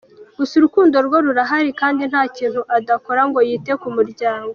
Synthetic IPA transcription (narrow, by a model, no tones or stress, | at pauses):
ɡ̥usiɾukuːndo̞ɾɡo̞ɾuɾaɦaɾikaːndin̥haːciːn̥huʔadako̞ɾaŋɡo̞jiːte̞kumuɾɟaːŋɡo